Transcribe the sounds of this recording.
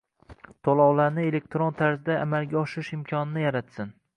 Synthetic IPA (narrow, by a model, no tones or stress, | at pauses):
t̪ʰolˠɒwlaɾnɪe̞le̞k̚ʲt̪ɾont̪ʰaɾzɪd̪aːmalˠɡʲaɒʃɪɪʃɪmkʲʰɒnɪnɪjaɾat̪sɪn